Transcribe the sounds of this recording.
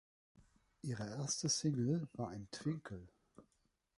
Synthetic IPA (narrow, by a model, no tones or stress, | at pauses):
ʔiːʁəʔeːɐstəsɪŋl̩v̥aːɐaɪntv̥ɪŋkʰl̩